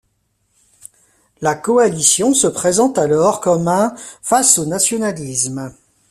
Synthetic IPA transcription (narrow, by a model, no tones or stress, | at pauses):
lakɔalisjɔ̃səpχezɑ̃t̪alɔʁkɔmɛ̃fasonasjɔnalism